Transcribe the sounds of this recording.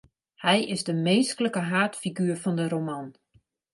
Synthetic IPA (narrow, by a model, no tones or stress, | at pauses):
hɛjɪzdəmeːskələkəɦaːtfiɡyːɹfɔndəɾoman